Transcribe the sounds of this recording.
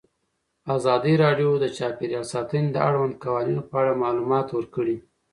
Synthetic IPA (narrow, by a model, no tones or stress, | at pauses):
azɑd̪əɾɑɖjod̪ət͡ʃɑpeɾjɑlsɑt̪əned̪əʔaɽwand̪̚kawɑninopəaɽamɑlumɑt̪wəɾkəɽi